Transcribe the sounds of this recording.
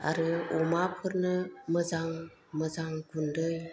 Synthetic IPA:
a̰ɾɯumapʰɯɾnɯməzaŋ | məzaŋɡʰundɯj

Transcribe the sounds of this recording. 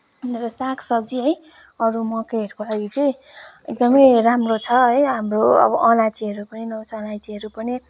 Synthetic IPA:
rʌsakʰsʌbd͡ziɦʌj | ʌɾumʌkeɦʌɾkolaɡit͡sʌj̃eɡ̚d̪ʌmʌjɾamrot͡sʰʌʌjɦamroʌ̰bʌʔʌlat͡siɦʌɾupʌninʌt͡sʰʌːlajt͡siɦʌɾupʌni

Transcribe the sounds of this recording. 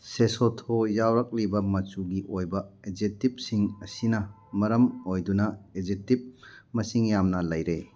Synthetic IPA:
sesotʰojawɾɐk̚libɐmɐt͡ʃuɡiʔojbɐed͡ʒetip̚siŋɐsinɐ | mɐɾɐmojdunɐezek̚tip̚mɐsiŋjamnɐlɐjɾe

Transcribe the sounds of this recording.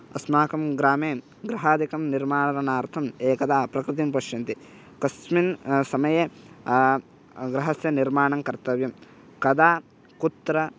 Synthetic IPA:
ɐsmaːkɐmɡɾaːmeːm | ɡɾɐɦaːd̪ikɐmniɾmaːɳɐɾɐnaːɾt̪ʰɐmeːkɐd̪aːpɾɐkɾɪt̪̬impɐʃjɐnt̪i | kɐsminsɐmɐje | ɡɾɐɦɐsjɐniɾmaːɳɐŋkɐɾt̪ɐʋjɐm | kɐd̪aː | kut̪ːɾɐ

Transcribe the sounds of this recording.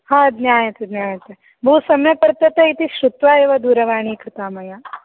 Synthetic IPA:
hãːd̪nʲjaːjɐt̪ɐd̪njaːjɐt̪e | bʱuːsɐmjɐpɐɾt̪ɐt̪ɐit̪iʃɾut̪ʋaːeːʋɐd̪uːɾɐʋaːɳ̃iːkɾɪt̪aːmɐjaː

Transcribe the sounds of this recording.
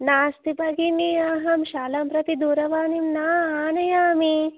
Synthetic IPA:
naːst̪ibʱɐɡiniɐɦɐmʃaːlɐmpɾɐt̪id̪uːɾɐʋaːnimnaːaːnɐjaːmi

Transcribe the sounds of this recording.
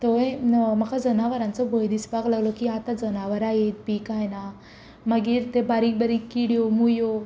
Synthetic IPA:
t̪oẽmakad͡zənaʋəɾãnt͡sɔbʱəjd̪isbaklaɡlɔkiat̪ad͡zənaʋəɾajet̪̚biːkajna | maɡiːɾt̪ebaɾiːk̚bəɾikːiɽjomujo

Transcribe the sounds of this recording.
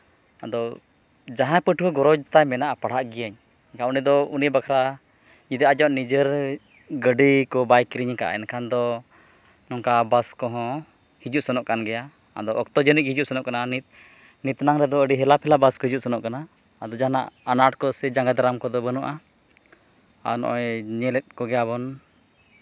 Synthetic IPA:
ad̪ɔ | d͡ʒaɦãpəʈʰwɔɡɔɾɔd͡ʒt̪ajmɛnaʔapaɽ̤aʔɡijaɲ | kaunid̪ɔunibakʰɾa | ɲid̪iʔad͡ʒɔʔnid͡ʒəɾ | ɡəɖikɔbajkiɾiɲka̰ʔa̰ɛ̰nkʰand̪ɔ | nɔŋkabaskɔɦɔ̃ | hid͡ʒuʔsɔnɔʔkanɡɛja | a̰d̪ɔʔɔk̚t̪ɔd͡ʒənic̚hid͡ʒuʔsɔnɔʔkananit̪ | nit̪naŋɾɛd̪ɔəɖiɦɛlapʰɛlabaskɔɦid͡ʒuʔsɔnɔʔkanaː | d̪ɔd͡ʒana̰ʔanaʈkɔsɛd͡ʒaŋɡad̪aɾamkɔd̪ɔbənuʔa | a̰nɔ̰ʔɔjɲɛlɛt̪̚kɔɡɛjaβɔn

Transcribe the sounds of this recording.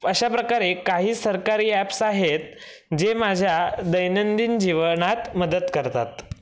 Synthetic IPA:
əɕapɾəkaɾekaɦiːsəɾkaɾiːæpsaɦet̪̚ | d͡ʑemad͡ʑʱjad̪əjnənd̪iːnd͡ʑiʋənat̪məd̪ət̪kəɾt̪a̰t̪

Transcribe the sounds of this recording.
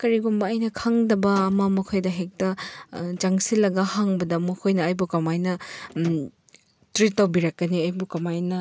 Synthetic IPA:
kɐɾiɡumbɐːjnɐkʰaŋdɐbɐːmɐmɐkʰojdɐɦek̚tɐd͡ʒaŋsilːɐɡɐhaŋbɐdɐmɐkʰojnɐːjbukɐmajnɐ | tɾitːawbiɾɐkːɐniɐjbukɐmajnɐ

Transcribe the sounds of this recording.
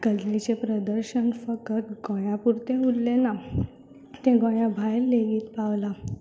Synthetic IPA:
kəd͡zlit͡ɕepɾəd̪əɾɕənfəkət̪ɡɔj̃japuɾt̪eɦulːena | t̪ẽɡoɽ̃jabʱajlːeɡiːt̪paʋla

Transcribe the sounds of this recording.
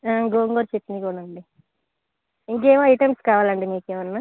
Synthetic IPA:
aɡoːŋɡoɾt͡ʃet̪ːinikuːɽaɐɳɖi | iŋk̬eːʋoɐjʈemskaːʋaːlɐɳɖiniːkeːʋɐnːa

